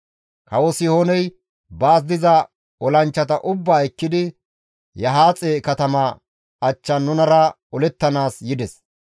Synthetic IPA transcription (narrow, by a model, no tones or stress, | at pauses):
kɐwɔsɪhoːnɛj | baːs̬d̪ɪzɐ | ɔlɐnt͡ʃːɐt̪ɐʔʊbːaːɛkːɪd̪ɪ | jɐɦaːt͡sʼeːkɐt̪ɐmɐ | ɐt͡ʃːɐnːʊnɐɾɐ | ɔlɛt̪ːɐnaːsjɪd̪ɛs